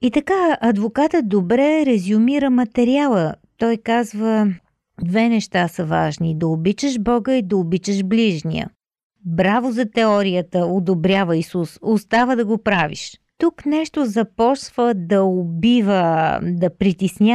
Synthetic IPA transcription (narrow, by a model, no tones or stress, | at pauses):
it̪ɐkaɐd̪vokat̪ət̪̚d̪obɾɛɾɛzʊmiɾəmɐt̪ɛɾialˠət̪ɔjkazvə | d̪vɛnɛʃt̪asəvaʒnid̪ɐobit͡ʃəʃbɔɡəid̪ɐobit͡ʃəʃbliʒnḭjə̰ | bɾavozɐt̪ɛɔɾijət̪əod̪obɾʲjavəisusost̪avəd̪ɐɡopɾavḭʃt̪uknɛʃt̪ozɐpɔsv̥əd̪ɐobivəd̪ɐpɾit̪isnʲa